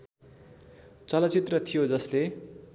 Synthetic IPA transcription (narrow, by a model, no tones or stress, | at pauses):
t͡sʌlʌt͡sit̪rʌt̪ʰijod͡zʌsle